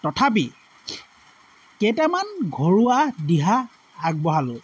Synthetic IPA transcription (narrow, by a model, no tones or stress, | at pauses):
tɔtʰap̬i | ketɛmanɡʱoɹuadiɦaː | ɡ̚bɔɦalʊ